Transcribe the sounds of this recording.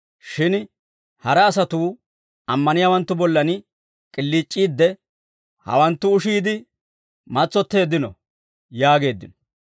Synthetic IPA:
ʃɪn | hɐɾɐːsɐt̪uː | ɐmːɐnɪjaːwɐnt̪ːʊbɔlːɐn | kʼɪlːiːt͡ʃʼːiːd̪ːɛ | hɐ̰wɐnt̪ːʊːʃiːd̪ɪ | mɐt͡sʼːɔt̪ːe̞ːd̪ːɪnɔ̰ | jaːɡe̞ːd̪ːɪnɔ

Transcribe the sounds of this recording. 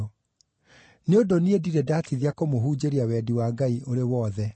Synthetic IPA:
neondoniediɾɛdaːtiðiakomoɦuːd͡ʑeɾiawɛːdiwaːɡaiʔoɾewɔðɛ

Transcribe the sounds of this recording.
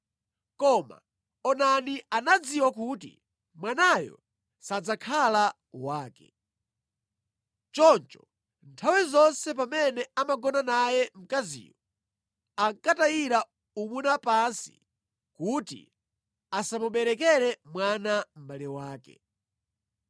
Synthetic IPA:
kɔma̰ | ɔnanianad͡ziwakutḭ | mwanajɔ̰ | sad͡zakʰala | waːkɛ̥ | t͡ʃɔnt͡ʃɔ̥ | ntʰawizɔnsɛpamɛnɛamaɡɔnanajɛm̩kazḭːjɔ | aŋkatajiɾa | umunapansḭ | kutḭ | asamuɓɛɾɛkɛɾɛmwanam̩ɓaliwaːkɛ̰

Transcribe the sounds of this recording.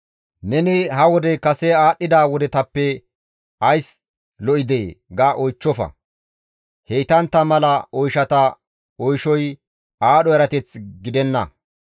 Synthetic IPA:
nɛnɪhɐwɔd̪ɛkɐsɛaːɗːɪd̪aːwɔd̪ɛt̪ɐpːɛ | ɐjs | lɔʔɪd̪eːɡaːʔɔjt͡ʃːɔfɐ̰ | hejt̪ɐnt̪ːɐmɐlɐɔjʃɐt̪ɐ | ɔjʃɔj | aːɗɔɛɾɐt̪ɛt͡sɡɪd̪ɛnːɐ̰

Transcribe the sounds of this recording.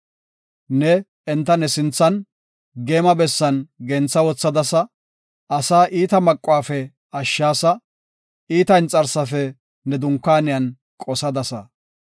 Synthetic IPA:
nɛ | ɛnt̪ːɐnɛsɪnt͡sːɐn | ɡe̞ːmɐbɛsːɐnɡɛnt͡sːɐwɔt͡sːɐd̪ɐsɐ | ɐsaːʔiːt̪ɐmɐkʼːʊwaːfɛ | ɐʃːaːsɐ | iːt̪ɐɪnt͡sʼɐɾsɐfɛ | nɛd̪ʊŋkːaːnɪjɐn | kʼɔsɐd̪ɐsɐ̰

